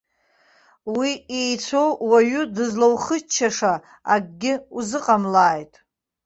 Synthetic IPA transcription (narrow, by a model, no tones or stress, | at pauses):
wiejt͡sʷʰo̞wwaɥudɨzlawχət͡ʃʰːaʂa | aɡ̚ʼɡʲɪuzɨqʼamlaːjtʼ